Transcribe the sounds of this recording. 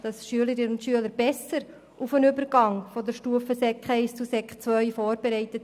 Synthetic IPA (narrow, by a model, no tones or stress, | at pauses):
d̥ɑsʃyələɾɪnəʊntʃyələɾbɛsəɾ | ʔufənʏbəɾɡɑŋfɔdəɾʃtuəfəsɛkχɛɪst͡susɛkχt͡svœʏfoːɾbɛɾɛɪt̪ət